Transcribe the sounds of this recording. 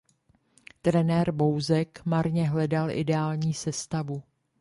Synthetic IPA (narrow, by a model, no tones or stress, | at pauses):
t̪ɾɛnɛːɾbowzɛkmaɾɲɛɦlɛdalʔɪ̰dɛaːlɲiːsɛst̪avu